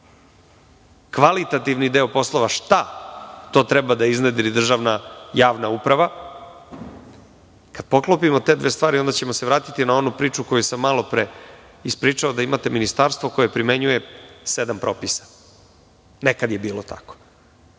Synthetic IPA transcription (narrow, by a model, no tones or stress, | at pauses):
kʋalit̪at̪iʋnid̪eopo̞slˠo̞ʋaʂt̪at̪o̞t̪ɾɛbad̪aizned̪ilid̪r̩ʒaʋnajaːʋnaupɾaʋa | kad̪̚po̞klˠopimo̞t̪e̞d̪ʋe̞st̪ʋaːɾio̞nd̪at͡ɕe̞moseʋɾaːt̪it̪inao̞nupɾiːt͡ʂuko̞jusamːalˠo̞pɾe | ispɾiːt͡ʂao̞d̪aimat̪e̞minist̪aɾst̪vo̞ko̞je̞pɾime̞ɲuje̞sed̪ampɾo̞pisḁ | nekad̪je̞biːlot̪a̰ko̥